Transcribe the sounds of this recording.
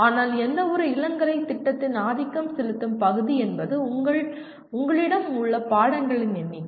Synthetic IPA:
aːnaːlɛnd̪ɐʋɔɾɯɪlɐŋɡɐɾɐɪt̪ːɪʈːɐt̪ːɪnaːðɪkːɐmsɛlɯt̪ːɯmpɐɣɯðiɛnbɐðɯʊŋɡɐɭ | ʊŋɡɐɭɪɽɐmʊɭːɐpaːɽɐŋɡɐɭɪnɛnːi

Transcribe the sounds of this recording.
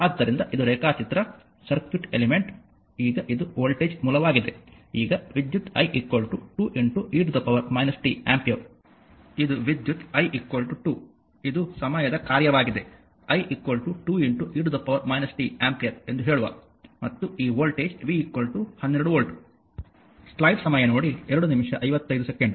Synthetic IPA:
aːd̪ːɐɾind̪ɐʔid̪uɾɛːkaːt͡ʃit̪ɾɐ | sɐɾkʋuʈelimeɳʈ | iːɡɐʔid̪uoːlʈeːd͡ʒmuːlɐʋaːɡid̪eiːɡɐʋid̪jut̪ɐjʔikʋɐlʈuʈuːʔiɳʈuʔiːɖd̪ɐpːɐʋɐɾmɐjnɐsi̥ʈiaːmpijɐɾ | id̪uʋid̪jut̪ɐjʔikʋɐlʈuʈuː | id̪usɐmɐjɐd̪ɐkaːɾjɐʋaːɡid̪e̞ | ɐjʔikʋɐlʈuʈuːiɳʈuʔiːɖd̪ɐpːɐʋɐɾmɐjnɐsi̥ʈiaːmpijɐɾe̞nd̪uɦe̞ːɭuʋa̰ː | mɐt̪ːuiːʋoːlʈeːd͡ʒʋiikʋɐlʈuhɐnːeɾɐɽuʋoːlʈu̥ | slɐjɖsɐmɐjɐno̞ːɽiɛɾɐɽunimʂɐʔɐjʋɐt̪ːɐjd̪usekeɳɖ

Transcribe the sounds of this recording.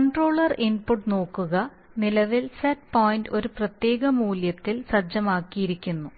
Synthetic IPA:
kɐɳʈro̞ːɭɐrinpuʈːno̞ːkːuɣɐ | nilɐʋilsɐʈ̚poːjndo̞ɾuprɐt̪je̞ːɣɐmuːljɐt̪ːilsɐd͡ʑɐmaːkːijiɾikʲːunːu

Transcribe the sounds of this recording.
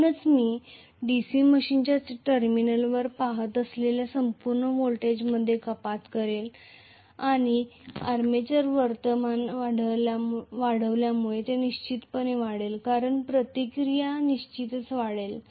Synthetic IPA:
nət͡smiː | ɖisiməɕint͡ɕjaʈəɾminəlʋəɾpaɦət̪əsleljasəmpuɾɳəʋolʈed͡ʑməd̪ʱːjekəpat̪kəɾel | aɽ̃iaɾmet͡ɕəɾʋəɾt̪əmanʋaɽəljaʋaɽəʋljamuɭet̪eniɕt͡ɕit̪pəñeʋaɽelkaɾəɳpɾət̪ikɾijaniɕt͡ɕit̪ət͡sʋaɽel

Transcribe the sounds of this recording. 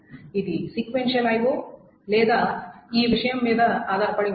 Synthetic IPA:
id̪isikʋenʃiɐlaːjʋu | leːd̪aiːʋiʂɐjɐmːeːd̪ɐaːd̪ɐɾpɐɽi

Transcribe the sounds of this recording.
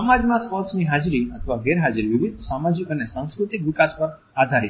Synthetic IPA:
mad͡ʒmãspɔɾsniɦad͡ʒɾiət̪ʰəʋaɡɛɾɦad͡ʒɾiʋiʋid̪ʱsamad͡ʒikənesãw̃skɾut̪ikʋɪkaspəɾ | ad̪ʱaɾi

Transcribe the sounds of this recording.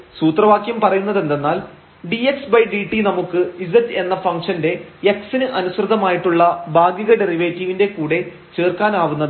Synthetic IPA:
suːt̪rɐʋaːkjɐmpɐrɐjunːɐðe̞nd̪enːaːl | ɖieksbɐjɖiːʈːinɐmukːɨisɐtːe̞nːɐfɐŋkʂɐnde̞jɐksinɨʔɐnusrɨd̪ɐmaːjiʈːuɭːɐbʱaːɡjiɣɐɖe̞riʋeːtːiʋinde̞kuːɽe̞ | t͡ɕe̞ːrkaːnaːʋunːɐðɨ

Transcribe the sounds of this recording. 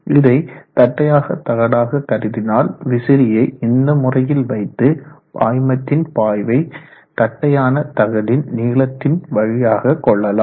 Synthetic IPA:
ɪðɐɪt̪ɐʈːɐjaːɣɐt̪ːɐɣɐɽaːɣɐkːɐrɪðɪnaːlʋɪsɪɾɪjɐɪɪnd̪ɐmʊrɐjɪlʋɐɪt̪ːɯpa̰ːjmɐt̪ːɪnpaːjʋɐɪ | t̪ɐʈːɐjaːnɐt̪ɐɣɐðɪnniːɭɐt̪ːɪnʋɐɻɪjaːɣɐkːɔɭːɐlaː

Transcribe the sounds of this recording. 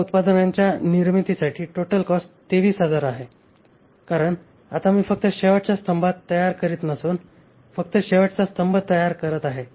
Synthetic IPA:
ut̪pad̪ənaɲt͡ɕjaniɾmit̪isaʈʰiːʈoʈəlkɔsʈt̪eʋiːsɦad͡zaɾaɦe | kaɾəɳ | a̰t̪amiːfək̚t̪əɕeʋaʈt͡ɕjast̪ʰəmbat̪ːəjaɾkəɾiːt̪nəsuːn | fək̚t̪əɕeʋəʈt͡sast̪ʰəmbət̪əjaɾkəɾət̪aɦe

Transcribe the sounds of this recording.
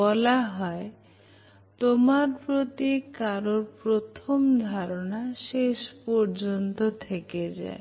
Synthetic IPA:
ɔlaɦɔe | t̪omaɾpɾot̪ikaɾoɾpɾot̪ʰomd̪ʱaɾonaʃeʃpɔɾd͡ʑont̪ot̪ʰeked͡ʑa̰e

